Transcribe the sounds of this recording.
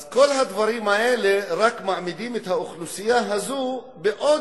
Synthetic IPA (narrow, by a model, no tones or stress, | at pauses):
ko̞lɦad̪vaɾimaʔe̞leʁakmaʕmid̪imet̪hauχlusijaɦazu | beʔo̞